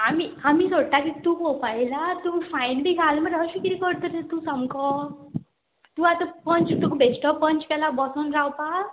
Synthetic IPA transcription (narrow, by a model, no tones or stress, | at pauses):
amiamiːsoʈakit̪uːkopajlat̪uːfajnbʱiɡʱalməɾaɕukiɾikəɾt̪əɾt̪ũsəmkɔ | t̪uat̪ãpəɲt͡ɕt̪ukbʱesʈəpəɲt͡ɕkɛlabɔsɔnɾawpa